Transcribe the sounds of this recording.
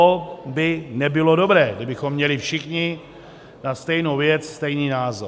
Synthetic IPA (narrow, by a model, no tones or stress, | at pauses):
obɪnɛbɪlo̞do̞bɾɛːɡdɪbɪxo̞mːɲɛlɪfʃɪxɲɪ | nast̪ɛjno̞wvjɛt͡sst̪ɛjniːnaːzo